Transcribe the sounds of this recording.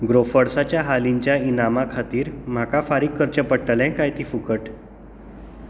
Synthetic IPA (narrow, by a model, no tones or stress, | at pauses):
ɡɾofəɽsat͡ɕjaɦaliɲt͡ɕjainamakʰat̪iːɾm̤akafaɾiːkʰːəɾt͡ɕəpəʈːəlɛ̃kajt̪iːfukəʈ